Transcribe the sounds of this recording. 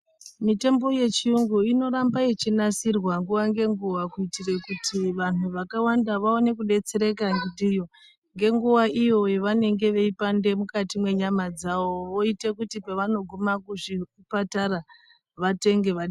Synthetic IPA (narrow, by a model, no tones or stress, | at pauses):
mite̞mbo̞jet͡ʃiuŋɡuino̞ɾambajet͡ʃinasirwaŋɡuʋaŋɡe̞ŋɡuʋakuitirekutʰiʋanuʋakawandaʋaone̞kuɗe̞t͡se̞ɾe̞kaŋɡidijo | ŋɡe̞ŋɡuʋaʔijo̞jeʋane̞ŋɡe̞ʋe̞ipande̞mukatimwe̞ɲamad͡zaʋo̞ʋo̞ite̞kutipeʋano̞ɡʱumakuʐi | patara | ʋate̞ŋɡe̞ʋaɗi